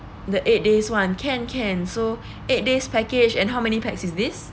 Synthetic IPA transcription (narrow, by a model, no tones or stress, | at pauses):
dəʔet̚deswãnkʰɛ̃nkʰɛ̃nso | et̚despɛked͡ʒɛ̃nɦawmɛnipɛk̚sisdis